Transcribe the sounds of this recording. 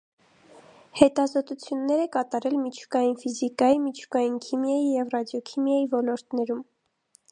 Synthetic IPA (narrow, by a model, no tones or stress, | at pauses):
hɛt̪ɑzɔt̪ut͡sʰjunːɛɾɛkɑt̪ɑɾɛlmit͡ʃʰu̥kɑjinfizikɑjimit͡ʃʰu̥kɑjinkʰimjɑjijɛvrɑd̪jɔkʰimjɑjivɔlɔɾt̪nɛɾum